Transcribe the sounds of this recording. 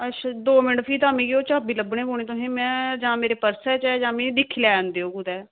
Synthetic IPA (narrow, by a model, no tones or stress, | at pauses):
əʃʰd̪oːmɪnpʰiːt̪ãːmĩːɡioːt͡ʃaːbiːləbɳẽːboːɽ̃eːt̪õːɦẽːmɛ̃ːd͡ʒãːmeːɾeːpəɾsɛːt͡ʃɛːd͡ʒãːmĩːd̪ɪkʰːlɛːənd̪eːoːɡud̪ɛː